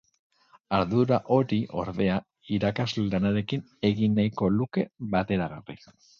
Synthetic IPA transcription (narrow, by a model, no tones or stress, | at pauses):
aɾðuɾaʔo̞ɾiʔo̞̰ɾðe̞a | iɾakazleld̪anaɾe̞kin | e̞ɣinːajko̞luke̞βat̪e̞ɾaɣarḭ